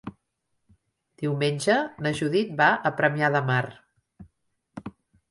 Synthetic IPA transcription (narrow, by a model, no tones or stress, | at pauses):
d̪̥iwmenʲd͡ʒənəʒuðit̪̚baəpɾəmiaðəmar